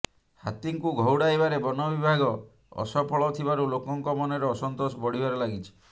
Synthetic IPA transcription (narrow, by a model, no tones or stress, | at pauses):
hat̪iŋkuɡʱɔwɽajbaɾebɔnɔbibʱaɡɔ | ɔ̰sɔpʰɔɭɔt̪ʰibaɾulokɔŋkɔmɔnɔɾeɔsɔnt̪osɔbɔɽ̤ibaɾelaɡit͡ʃʰi̥